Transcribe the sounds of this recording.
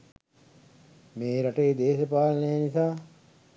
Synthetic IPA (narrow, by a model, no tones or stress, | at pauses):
meːɾaʈeːd̪eːʃəpaːlənəjnisaː